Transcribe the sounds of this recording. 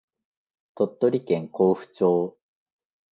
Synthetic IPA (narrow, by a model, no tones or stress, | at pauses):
t̪ot̪ːo̞ɾʲikẽ̞ŋko̞ːɸɯ̟̥t͡ɕoː